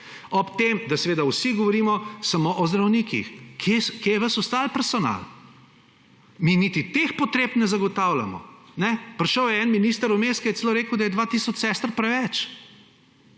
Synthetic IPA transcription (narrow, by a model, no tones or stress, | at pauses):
ɔpt̪emd̪asɛʋeːd̪awsiɡɔʋɔɾiːmɔsamoʔɔzd̪ɾɐwnikḭxkʰeskjejɛʋəsɔst̪alpɛɾsɔna̰l | minit̪it̪expɔt̪ɾepnɛzaɡɔt̪awla̰mɔ̰nɛpɾʃəwjɛɛnminist̪əɾumeskajɛt̪seloːɾeːkəwd̪ajɛd̪ʋat̪isɔt͡ʃsɛst̪ɾpɾɛʋɛt͡ʃ